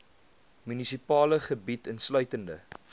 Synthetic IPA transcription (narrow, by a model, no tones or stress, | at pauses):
mynisipɑːləχəbitənslœɥtəndə